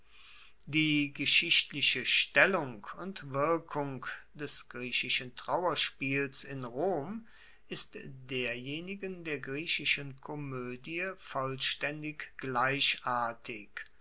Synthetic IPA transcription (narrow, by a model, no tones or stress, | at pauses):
d̥iːɡəʃɪʃtlɪʃəʃtɛlʊŋkʊntv̥ɪɐkʰʊŋkd̥ɛsɡ̥ʁiːɕɪʃəntʁ̥awɐʃpiːlsɪnʁoːm | ʔɪstd̥eːɐjeːnɪɡəndeːɐɡʁiːɕɪʃənkʰɔmøːdiəfɔlʃtɛndɪkɡ̥laɪɕʔaɐtʰɪk